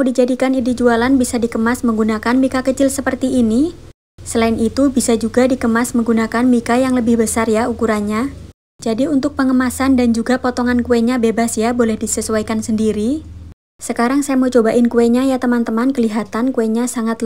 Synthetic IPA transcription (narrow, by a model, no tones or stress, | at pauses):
did͡ʒadikanidid͡ʒualanbisadikəmasməŋɡunakanmikakət͡ʃɪlsəpərt̪iːni | səlaɪnit̪ubisad͡ʒuɡadikəmasməŋɡunakanmikajaŋləbɪhbəsarjaukuɾanɲa | d͡ʒadiunt̪ʊk̚pəŋəmasandand͡ʒuɡapot̪ɔŋankueɲabebasjabolɛhdisəsuwajkansəndiɾi | səkaɾaŋsajamət͡ʃobaʔɪnkueɲajat̪əmant̪əmankəliɦat̪ankueɲasaŋat̪